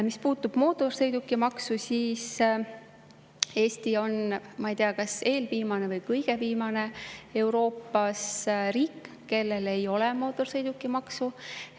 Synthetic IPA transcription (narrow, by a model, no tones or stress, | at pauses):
mispuːt̪ːˑub̥mo̞ːt̪ːˑo̞rsɤjd̪̥ukːˑimɑksusiːs | e̞ːsʲt̪io̞nmɑijt̪eɑkɑse̞ːlviːmɑne̞vɤjkɤjɡ̥e̞viːmɑne̞e̞wɾo̞ːpːɑsriːkˑː | e̞lːe̞le̞jo̞lɛmo̞ːt̪ːˑo̞rsɤjd̪ukːˑimɑksu